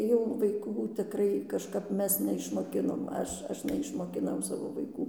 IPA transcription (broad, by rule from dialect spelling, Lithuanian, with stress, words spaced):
jɛʊ ʋɐɪˈkuː tʲɪˈkrɐɪ kɐʃˈkɐp ˈmʲɛs nʲɛɪʃmoːˈkʲɪnoːm ˈɐʃ ˈɐʃ nʲɛɪʃmoːkʲɪˈnɐʊ ˈsɑːʋoː ʋɐɪˈkuː